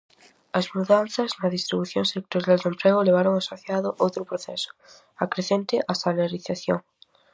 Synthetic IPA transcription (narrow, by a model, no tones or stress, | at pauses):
ɐzmuðan̟θɐznɐðist̪ɾiβuθjoŋsek̚t̪oɾjald̪empɾeɣʊleβ̞aɾoŋasoθjaðʊʔowt̪ɾʊpɾoθɛ̰sʊ̥ | akɾeθent̪ɪʔasalaɾiθaθjo̰ŋ